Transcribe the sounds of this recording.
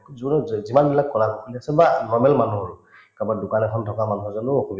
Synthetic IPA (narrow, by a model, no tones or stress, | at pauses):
zuzimanbilakkɔɹakɔkʰuliasɛbanɔɹmɛlmanuɦ | kabadukanɛkʰɔntʰɔkamanuɦɔzɔnuɔkʰubi